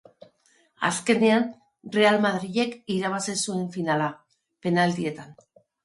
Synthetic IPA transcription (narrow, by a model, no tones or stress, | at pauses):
a̰ske̞nean | re̞almaðɾiʝe̞kiɾaβ̞asesue̞ɱfinala | pe̞nalt̪ie̞t̪an